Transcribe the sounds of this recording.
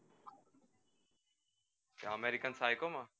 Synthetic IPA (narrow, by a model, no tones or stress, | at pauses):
kaəmeːɾikənsaːikomãː